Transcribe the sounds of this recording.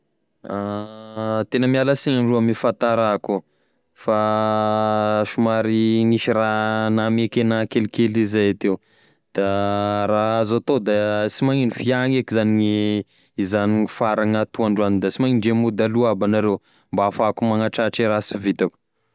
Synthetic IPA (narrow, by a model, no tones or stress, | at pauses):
a | t̪enəmialasiŋaɳruamifant̪aɾaku | fa | ʃumaɾiŋiʃiɾanamekenakelikelizajat̪ew | d̪̥aɾaazat̪od̪at͡simaŋinifiaŋekizaniŋi | izanifaɾaŋat̪uaɳɖ͡ʐanid̪asimaŋiɳɖ͡ʐemud̪aluabanaɾew | mbaafakumaŋaʈ͡ʂaʈ͡ʂeɾasivit̪aku̥